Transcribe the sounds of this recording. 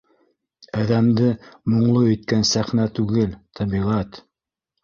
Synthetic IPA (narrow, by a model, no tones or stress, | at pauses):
æðæmd̪ɘmŏɴlˠoɵ̆t̪̚kænsæχnæt̪ʉɡɘlt̪ʰæbiʁæt̪